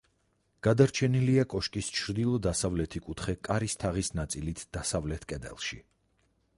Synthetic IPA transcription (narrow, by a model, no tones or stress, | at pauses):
ɡ̥ad̪aɾt͡ʃʰɛniliakʼɔʃkʼist͡ʃʰɾd̪ilˠɔd̪asavlɛt̪ʰikʼut̪ʰχɛkʼaɾist̪ʰaʁisnat̪sʼilit̪ʰd̪̥asavlɛt̪ʰkʼɛd̪ɛ̰lˠʃi